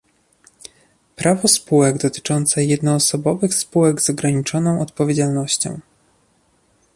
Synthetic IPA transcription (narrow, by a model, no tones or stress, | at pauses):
pɾʔavɔspuwɛɡd̪ɔt̪ɘ̥t͡ʂɔnt̪sɛjɛd̪nɔːsɔbɔvɘxspuwɛɡzɔɡɾaɲit͡ʂɔnɔ̃w̃ɔt̪̚pɔvʲjed͡ʑalnɔɕt͡ɕɔ̰̃w̃